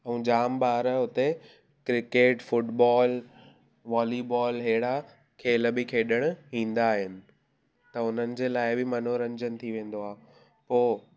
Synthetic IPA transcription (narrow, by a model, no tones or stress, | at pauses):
ɛ̃ːd͡ʑaːmbaːɾəʊt̪e | kɾɪkeːʈfʊʈbaːl | ʋaːlibɔːlɦeːɽa | kʰeːləbɪkʰeːɗəɽ̃ʊ̆ɦĩːn̆d̪aːɦɪnɪ̆ | t̪ɐʊn̤ənɪ̆d͡ʑeːlaːɪbɪmɐn̤oɾɐ̃ɲd͡ʑənɪt̪ʰiʋẽːn̆d̪oaːɦ | poː